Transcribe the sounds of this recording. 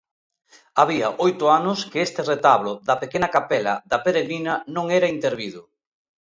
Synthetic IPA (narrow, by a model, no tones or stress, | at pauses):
aβiɐʔojt̪ʊanʊskeest̪ɪret̪aβlʊðɐpekenɐkapɛlɐ̰ðɐpeɾeɣɾinɐnõŋɛɾɐint̪eɾβiðʊ